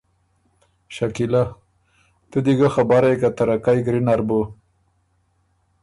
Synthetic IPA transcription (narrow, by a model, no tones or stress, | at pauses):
ʃakila | t̪ud̪iɡaxabaɾajkat̪aɾakajɡɾinaɾbo